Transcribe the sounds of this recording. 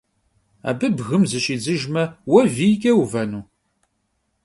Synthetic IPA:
æ̰bəbɣəmzəʃid͡zəʒmæwævikæwuvænu

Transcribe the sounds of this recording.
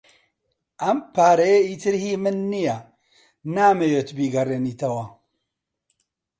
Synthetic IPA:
ʔɐmpaːɾɐjeiːt̪ʰɨɾhiːmɨnːija | naːmejeːt̪biːɡɐreːniːt̪ʰɐwɐ

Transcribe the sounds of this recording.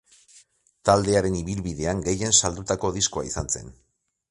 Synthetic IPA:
t̪ald̪e̞aɾe̞niβilβiðe̞aŋɡe̞je̞nsald̪ut̪ako̞ðisko̞a̰isanse̞̰n

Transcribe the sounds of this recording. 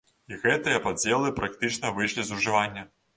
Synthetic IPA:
iɣɛt̪ɨjɐpad͡zʲɛlˠɨpɾak̚t̪ɨt͡ʂnɐvɨjʂlʲizuʐɨvanʲːɐ

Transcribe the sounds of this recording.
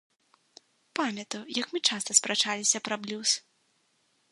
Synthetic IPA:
pamʲɐt̪ɐjwjɐkmɨt͡ʂast̪ɐspɾɐt͡ʂalʲisʲɐpɾɐblʲus

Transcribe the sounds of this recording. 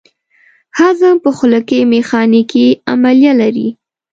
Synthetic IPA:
hazapəxʊləkemexɑnikia̰maljalaɾḭ

